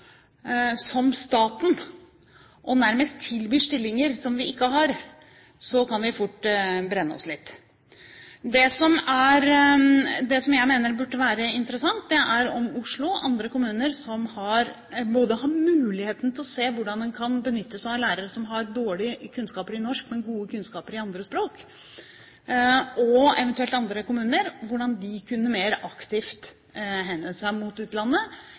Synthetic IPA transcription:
sɔmst̪ɑːt̪n | ʔɔnæɾməst̪ʰːɪlbyːʂʈɪlːɪŋəɾsɔmʋɪɪkːəɦɑɾ | sɔkʰɑnʋɪfʊʈːbɾɛnːəɔ̰slɪt̪ː | d̪ɛsɔmæɾ | d̪ɛsɔmjæɪmeːnəɾbʉʈːəʋæːɾəɪnt̪əɾəsɑŋt̪̚d̪ɛʔæɾɔmʊʂɭʊʔɑnd̪ɾəkʊmʉːnəɾsɔmhɑɾ | boːd̪əɦɑɾmʉːlɪheːt̪n̩t̪ʰɪlɔseːʋʊɖɑnd̪ɛnkʰɑnbənʏt̪ːəsɔæɾlæːɾəɾəsɔmɦɑɾd̪oːɭɪkʰʉnskɑːpəɾɪnɔʂkmɛɡuːəkʉnskɑːpəɾɪɑnd̪ɾəspɾoːk | ɔɛ̰ʋɛnt̪ʉɛlt̪ɑnd̪ɾəkʊmʉːnəɾʋʊɖɑnd̪ɪkʰʉnːəmeːɾɑkt̪ɪft̪ | ɦɛnəsæɪmʊt̪ʉːt̪lɑnːə

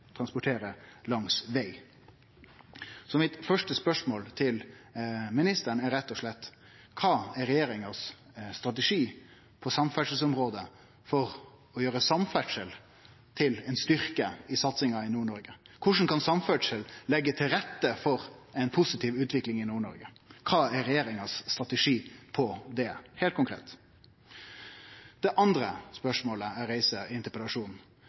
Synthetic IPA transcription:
t̪ʰɾɑnspʊʈʰeːɾəlɑŋsʋeɪ | sɔmɪt̪fœʂʈəspœʂmoːlt̪ʰɪl | mɪnɪst̪əɳæɾɛt̪ːɔʂɭɛt̪ː | kʰɑːæɾɛjeːɾɪŋəsː | t̪ɾɑt̪̬ɛʂiː | pʰɔsɑmfæʈʂəl̩sɔmɾoːd̪ə | fɔɾ | ɔjøːɾəsɑmfæʈʂəl | t̪ʰɪlɛnst̪ʏɾkəɪsɑt̪sɪŋɑɪnuːɳɔɾɡə | kʰʊʂn̩kɑnsɑmfœʈʂəllɛɡːət̪ʰɪlɾɛt̪ːəfɔɾɛɪnpʰʊsɪt̪ʰiːʋʉːt̪ʰʋɪklɪŋɪnuːɳɔ̰ɾɡə | kʰɑːæɾɛjeːɾɪŋɑsːt̪ɾɑt̪əʂiːpʰɔd̪ɛhɛːlt̪̚kʊŋkʰɾḛːt̪ | d̪̥ɛʔɑnd̪ɾəspœʂmoːləæɾeɪsəɪnt̪əpəlɑʂuːn

